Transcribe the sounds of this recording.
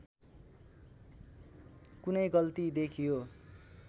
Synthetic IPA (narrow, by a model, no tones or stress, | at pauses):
kunʌjɡʌlt̪id̪ekʰijo